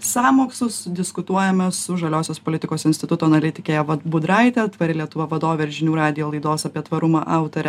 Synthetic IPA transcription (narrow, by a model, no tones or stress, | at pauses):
sɑːmoːksʊsd̪ʲɪskʊt̪uɔjɛmʲɛsʊʒɐlʲoːsʲoːspolʲɪt̪ʲɪkoːsɪnsʲt̪ʲɪt̪ʊt̪oːɐnɐlʲɪt̪ʲɪkʲeːjɛʋɐbʊd̪ɾɐɪt̪ʲɛt̪ʋɐɾʲɪlʲiɛt̪ʊʋɐʋɐd̪oːʋʲeɪɾʒʲɪnʲuːɾɑːd̪ʲɪjoːlˠɐɪd̪oːsɐpʲiɛt̪ʋɐɾʊmɑʔɑˑʊt̪oɾʲɛ